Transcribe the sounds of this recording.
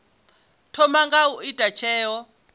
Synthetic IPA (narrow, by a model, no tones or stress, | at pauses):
tʰɔmaŋɡauitʼat͡ʃʰɛːɔ